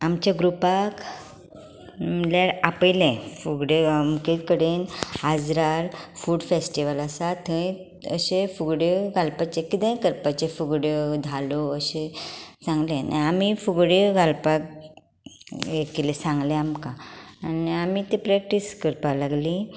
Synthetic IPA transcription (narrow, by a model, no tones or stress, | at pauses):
amt͡ɕjaɡɾupak | mljaɾapəjlɛ̃fuɡɽemkekəɽenad͡zɾaɾfuːɖfesʈiʋəlasat̪ʰːəĩ | əɕẽfuɡɽjəɡʱalpat͡ɕekit̪ɛ̃kəɾpat͡ɕefuɡɽjəd̪ʱaloəɕẽsãŋɡlẽna̰amifuɡɽeɡalpak | ekelesãŋɡlẽamkãːniamit̪epɾɛk̚ʈiskəɾpalaɡli